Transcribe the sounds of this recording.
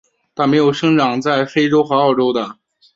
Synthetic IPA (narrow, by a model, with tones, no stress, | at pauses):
t̪ʰa˥˩me˧˥ɪjo˨˩ʊʂɤ˥ŋʈ͡ʂɑ˨˩ŋt͡sa˥˩ɪfe˥ɪʈ͡ʂo˥ʊxɤ˧˥ɑ˥˩ʊʈ͡ʂo˥ʊd̪ə˨